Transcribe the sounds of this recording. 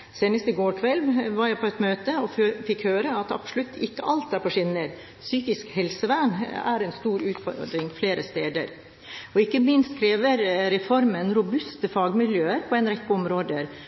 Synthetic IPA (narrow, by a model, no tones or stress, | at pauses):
seːnəst̪ɪɡoːɾkʰʋɛlʋɑɾjæɪpʰɔɛt̪møːt̪əɔfɪkhøːɾəɑt̪ɑ̰pslʉt̪ʰːɪkːəʔɑlt̪æɾpɔʂɪnəɾ | syːkɪskhɛlsəʋænæ̰ɾɛnst̪uːɾʉːt̪fɔ̰d̪ɾɪŋfleːɾəst̪eːd̪ə̰ɾ | ɔɪkːəmɪnst̪kʰɾeːʋəɾɾɛfɔɾmənɾʊbʉst̪əfɑːɡmɪljøːəɾpʰɔɛnɾɛkːəɔmɾoːd̪əɾ